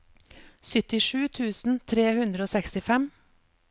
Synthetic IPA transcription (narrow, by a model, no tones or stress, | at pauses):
sʏt̪ɪʃʉːt̪ʰʉːsn̩t̪ʰɾeːhʉnd̪ɾəoːsɛkst̪ɪfɛm